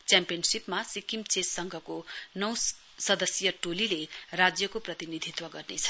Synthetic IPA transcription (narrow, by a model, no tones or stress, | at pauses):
t͡sjampijʌnsipmasikimt͡sesːʌŋɡʱʌkonʌw | sʌd̪ʌsjʌʈolilerad͡zjʌkoprʌt̪inid̪ʱit̪wʌɡʌrnet͡sʰʌ̥